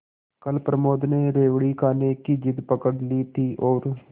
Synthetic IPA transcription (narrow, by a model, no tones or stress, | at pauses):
kəlpɾəmoːd̪neːɾeːʋɽiːkaːneːkiːd͡ʒɪd̪pəkəɽliːt̪iːʔoːɾ